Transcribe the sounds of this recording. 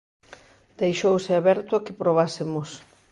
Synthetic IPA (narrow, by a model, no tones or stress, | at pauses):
d̪̥ejʃowsɪaβɛɾt̪ʊakɪpɾoβ̞asɪmʊs